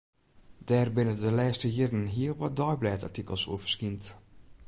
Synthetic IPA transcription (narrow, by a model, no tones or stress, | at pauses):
dɛːrbɪnədəlɛːstəjɪdənɦiəlˠʋɔdɔjblɛːta̰ɹtikəlˠsṵvə̥skint